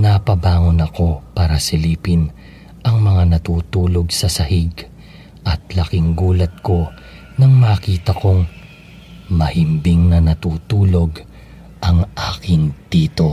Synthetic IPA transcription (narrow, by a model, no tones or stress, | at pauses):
nɐpɐbaːŋo̞nɐko̞paːɾɐsɪliːpɪn | ʔɐŋmɐŋanɐt̪uːt̪uːlo̞ɡsɐsɐhɪɡ | ʔɐt̪̚lɐkɪŋɡuːlɐt̪̚ko̞ | nɐŋmaːkiːt̪ɐkoŋ | mɐhɪmbɪŋnɐnɐt̪uːt̪uːlo̞ɡ | ʔɐŋʔaːkɪŋd̪̥iːt̪o̞